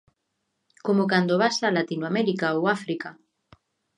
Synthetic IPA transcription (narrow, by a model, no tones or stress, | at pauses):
komokand̪oβasalat̪inwamɛɾikaowafɾika